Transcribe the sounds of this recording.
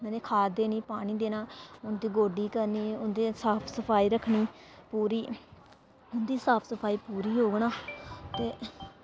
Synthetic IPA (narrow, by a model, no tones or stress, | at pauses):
mɛːnẽːkʰaːd̪eːniːpaːɽ̃iːd̪eːnãːʊnd̪iːɡoːɖiːkəɾniːʊnd̪eːsaːpʰsəpʰaːiːɾəkʰɳiː | puːɾiː | ʊnd̪iːsaːpʰsəpʰaːiːpuːɾiːɦoːɡnaːt̪eː